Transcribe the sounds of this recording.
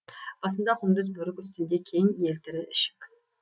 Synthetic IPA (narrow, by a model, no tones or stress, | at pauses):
ɑsənd̪ɑqʰʊmd̪əzbɵɾɪkʲʏst̪ɪnd̪e̞kʲʰejɪŋelt̪ɪɾɪʔɪʃɪ̥kʲ